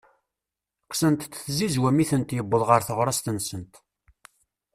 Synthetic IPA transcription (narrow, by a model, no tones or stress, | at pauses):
qsənt̪ːθzizwæmiθənt̪jəbːəðˤʁəɾθəʁɾˤɑst̪ənsənt̪